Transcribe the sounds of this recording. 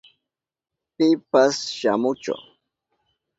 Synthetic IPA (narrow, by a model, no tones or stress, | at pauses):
pɪpasʃamʊt͡ʃʊ̰